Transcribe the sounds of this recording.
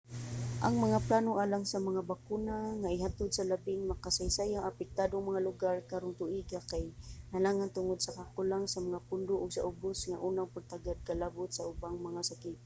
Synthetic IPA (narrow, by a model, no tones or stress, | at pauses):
ʔaŋmaŋaplanoʔalaŋsamaŋabakunaŋaɪɦat̪ʊd̪salabɪŋmakasajsajaŋapɛk̚t̪ad̪oŋmaŋalʊɡarkaɾʊŋt̪ʊʔiɡakajnalaŋant̪ʊŋʊd̪̚sakakʊlaŋsamaŋapʊnd̪ʊʔʊɡsa̰ʔʊbʊsŋaʔuːnaŋpʊt̪aɡad̪̚kalabʊt̪̚saʊbaŋmaŋasakit̪̚